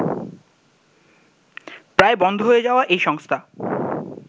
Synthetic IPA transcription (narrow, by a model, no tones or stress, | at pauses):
pɾaebɔnd̪ʱoɦoed͡ʑaoaʔejʃɔŋst̪ʰa